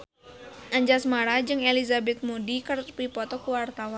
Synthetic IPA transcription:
ʔaɲd͡ʒasmaɾad͡ʒɨŋelizabɛt̪̚modikərt̪pipɔt̪ɔkuwart̪awan

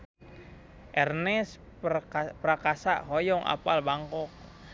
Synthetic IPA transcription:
ʔɛrnɛs | pɾakasaʔɦɔjɔŋʔa̰palbaŋkɔk̚

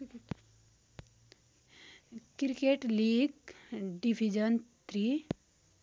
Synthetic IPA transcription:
kɾkeʈliːɡɖibʱid͡ʒənt̪ʰɾi

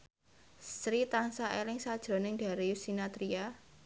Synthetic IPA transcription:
sɾit̪ansaʔelɪŋsad̥ʒ̥ɾɔ̤nɪŋɖ̥a̤ɾejusinat̪ɾia

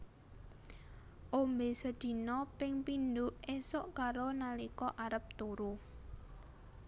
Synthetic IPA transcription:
ʔombesəd̪̥i̤nɔpɪŋpindʊʔesʊʔkaɾonalikɔʔaɾəp̚t̪oɾu

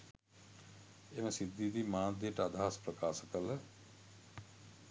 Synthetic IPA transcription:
emɐsid̪ːid̪imaːd̪iʈəad̪ʱaɦaspɾɐkaːsəkələ

